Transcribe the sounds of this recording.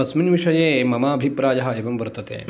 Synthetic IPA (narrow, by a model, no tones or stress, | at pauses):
ɐsminʋiʂɐjeːmɐmaːɐbʱipɾaːjɐɦɐeʋɐmʋɐɾt̪ɐt̪ḛː